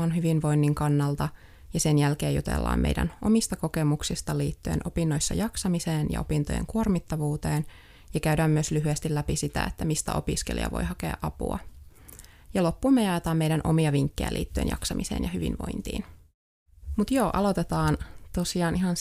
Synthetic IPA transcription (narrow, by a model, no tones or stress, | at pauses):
onɦyʋinʋo̞inːiŋkɑnːɑlt̪ɑ | jɑsenjælkeːjṵt̪ḛlːɑ̰ːmḛjdæ̰nʔo̞mist̪ɑko̞kemuksist̪ɑliːt̪ːyḛnʔo̞̰pinːojsːɑ̰jɑksɑmiseːnjɑ̰o̞pint̪o̰jḛŋkuormit̪ːɑʋuːt̪e̞ːn | jɑkæydæːmːyøslyɦyest̪ilːæpisit̪æ̰et̪ːæmist̪æ̰o̞piskelḭɑ̰ʋo̰jhɑkḛɑ̰ʔɑpṵɑ̰ | jɑlo̞pːumːejɑet̪ɑːmmejdænʔo̞̰miɑʋiŋkːḛjæ̰lʔḭːt̪ːyḛnjɑ̰ksɑmiseːnjɑhyʋḭnʋo̞̰int̪ḭːn | mut̪joːʔɑ̰lo̞t̪et̪ɑːnt̪o̞siɑːnʔiɦɑn